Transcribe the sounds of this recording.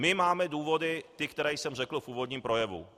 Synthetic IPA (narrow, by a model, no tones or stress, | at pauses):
mɪmaːmɛduːvo̞dɪt̪ɪkt̪ɛɾɛːjsɛmrɛkl̩fuːvo̞dɲiːmpɾo̞jɛvṵ